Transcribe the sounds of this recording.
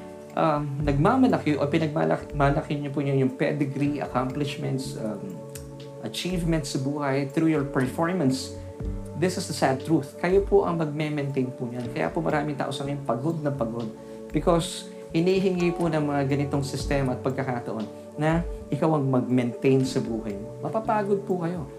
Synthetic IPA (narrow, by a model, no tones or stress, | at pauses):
ʔamnɐɡ̚mamɐlɐkjʔopɪnɐɡ̚ma̰lɐmalɐkɪɲopʊɲʊjʊŋpɛd̪ɛɡɾiʔɐ̰kamplɪʃmɛnt̪sɐ | ʔɐt͡ʃivmɛnt̪sɐbuːhɐjθɾujɔɹpɛɹfoɹmɐns | ðɪsɪsd̪ɐsad̪̚t̪ɹuθkɐjopoʔɐ̰ŋmɐɡ̚mɛmɛnt̪ɛjnpʊɲankɐja̰ːpomɐ̰ɾʔaːmɪŋt̪a̰ːʔosɐŋɐjʊŋpɐɡo̞d̪̚nɐpɐɡo̞d̪̚ | b̥ɪkos | hɪniɦɪŋiponɐŋmɐŋaɡɐnɪt̪o̞ŋsɪst̪ɛmɐɐt̪̚pɐɡ̚kɐkaːt̪ɐʔo̞nː | ɐʔɪkawɐŋmɐɡ̚mɛnt̪ejnsɐbuːhɐjmomɐpapaːɡod̪̚pʊkɐjo̞